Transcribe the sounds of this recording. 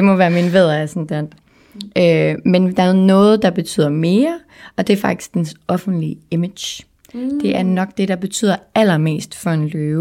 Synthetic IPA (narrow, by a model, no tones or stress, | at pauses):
d̥e̝mɔ̽ʋæːɐminʋeð̰ˠɐæɐsɒnd̥en | ømend̥ɑ̈ænɔ̽ːð̞̩ˠd̥ɑ̈b̥e̝t͡sʰy̰ːð̰ˠɐme̝ːɐ | ɒ̽d̥e̝æɐfɑ̈ɡ̥̚d̥i̥sɡ̥̚d̥ensɒ̽fn̩d̥liemed̥j | d̥e̝ʔæɐnɒ̽ɡ̥̚d̥e̝ɾ̥ɑ̈b̥e̝t͡sʰy̰ð̰ˠɐæl̰ɐme̝̰ːsd̥fɒ̽e̝nløːʊ